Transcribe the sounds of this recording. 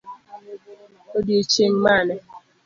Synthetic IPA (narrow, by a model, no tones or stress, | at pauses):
odjet͡ʃeŋmanɛ